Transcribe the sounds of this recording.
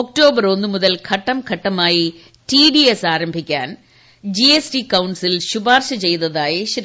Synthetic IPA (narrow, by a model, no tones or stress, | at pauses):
ok̚ʈo̞ːbɐɾo̞nːɨmuðɐlkʰɐʈːɐmkʰɐʈːɐmaːji | tiɖiesaːɾɐmbʱikʲːa̰ːn | d͡ʑiesʈikɐwɳɖsilɕubaːrɕɐt͡ɕe̞jt̪ɐðaːjiɕɾ